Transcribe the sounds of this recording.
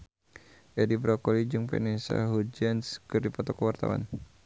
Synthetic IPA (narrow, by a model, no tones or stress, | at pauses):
ʔɛdibɾɔkɔlid͡ʒɨŋpɛ̰nesa̰ɦud͡ʒiɛnskɨrdipɔt̪ɔkəwart̪a̰wa̰n